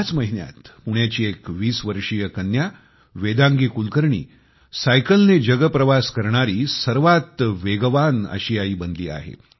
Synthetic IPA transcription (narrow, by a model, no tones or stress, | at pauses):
jat͡sməɦinja̰t̪puɳ̃jat͡ɕiːekʋiːsʋəɾʂijəkənja | ʋed̪ãŋɡiːkulkəɾɳḭː | sajkəlned͡ʑəɡəpɾəʋaskəɾɳaɾiːsəɾʋat̪ʋeɡəʋanə̰ɕiaiːbənd̪lḭːa̰ɦḛ